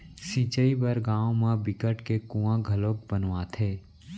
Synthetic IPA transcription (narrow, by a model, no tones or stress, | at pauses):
sĩːt͡ʃəibəɾɡãːõmãbɪkəʈkekũːãɡʱəloːk̚bənʋaːt̪ʰeː